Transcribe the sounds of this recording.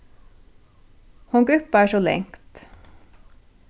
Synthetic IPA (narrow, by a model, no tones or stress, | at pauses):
hɔŋɡʉpɑæːʃoːlɛ̰ŋt̪